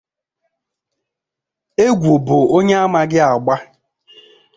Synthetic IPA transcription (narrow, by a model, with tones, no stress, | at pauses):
e˦ɡʷo˨bʊ˨o˦ɲe˦a˦ma˨ɡɪ˦a˨ɡ͡ba˦